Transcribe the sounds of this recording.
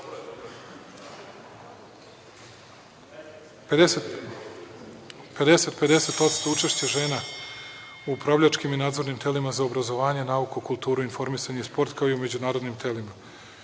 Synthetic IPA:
pe̞d̪e̞se̞t̪pe̞d̪e̞se̞t̪o̞t̪st̪o̞ut͡ʃe̞ʃt͡ɕeʒe̞ːna | uupɾavʎʲat͡ʃkiminaːd̪zo̞ɾnimt̪e̞limazao̞bɾazo̞ʋaːɲe̞naukukulˠt̪uːɾuinfo̞ɾmisaɲeispo̞ɾt̪kaoiume̞d͡ʑunaːɾo̞d̪nimt̪e̞lima

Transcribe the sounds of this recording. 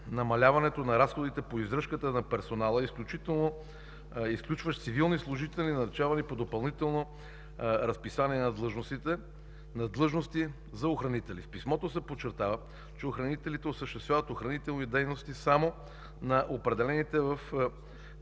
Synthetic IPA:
nɐmɐlʲavɐnɛt̪onɐɾasxod̪it̪ɛpoizɾɤʃkət̪ənɐpɛɾsonalˠəisklʲut͡ʃit̪ɛlˠno | isklʲut͡ʃvəʃt̪sivilˠnislˠʊʒit̪ɛlʲninɐɾɛt͡ʃavɐnipod̪opɐlˠnit̪ɛlˠno | ɾɐspisaniɛnɐd̪lˠɤʒnost̪it̪ɛ | nɐd̪lˠɤʒnost̪i | zɐoxɾɐnit̪ɛlifpismɔt̪osɛpot͡ʃːɛɾt̪avə | t͡ʃɛoxɾɐnit̪ɛlit̪ɛosəʃt̪ɛst̪vʲjavət̪oxɾɐnit̪ɛlˠnid̪ɛjnost̪isamo | nɐʔopɾɛd̪ɛlɛnit̪ɛvəf

